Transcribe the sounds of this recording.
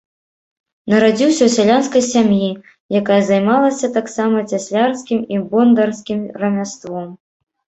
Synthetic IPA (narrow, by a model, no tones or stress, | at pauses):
nɐɾad͡zʲiwsʲɐwsʲalʲanskɐjsʲamji | jakajɐzajmalˠɐsʲɐt̪aksamɐt͡sʲasʲlʲarskʲimibɔnd̪ɐrskʲimrɐmʲast̪vɔm